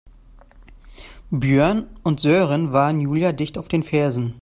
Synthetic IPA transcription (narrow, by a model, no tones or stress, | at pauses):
bjøɐnʊntz̥øːʁənvaːʁənjuːljadɪçtaʊfd̥eːnfɛɐzn̩